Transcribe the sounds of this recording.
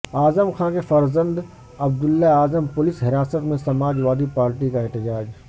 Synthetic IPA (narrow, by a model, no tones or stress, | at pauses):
aːzəmxʰãːkefɐɾzə̃nd̪ | ɐb̚d̪ʊlːaaːzəmpʊlɪsɦɪɾaːsət̪mẽsɐmaːd͡ʒʋaːd̪ipaːɾʈikaɛɦt̪ɪd͡ʒaːd͡ʒ